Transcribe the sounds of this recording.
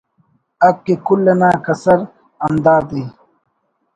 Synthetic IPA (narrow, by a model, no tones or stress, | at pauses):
ɐb̚kekulːenaːkɐsɐɾ | ɐmd̪aːd̪i